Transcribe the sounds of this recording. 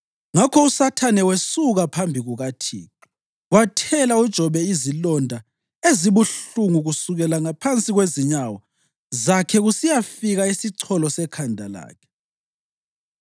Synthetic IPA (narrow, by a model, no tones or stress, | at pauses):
ŋakʰɔusatʰanɛwesuɣapʰambʱiɣuɣatʰḭːki | watʰɛlaud̥ʒ̥ʱɔβɛizilɔndʱa | eziβuɬuŋuɣusuɣɛlaŋapʰant͡sʼiɣweziɲawɔ | zakʰɛɣusijafiɣaisiǀʰɔlɔsɛkʰandʱala̰ːkʰɛ̥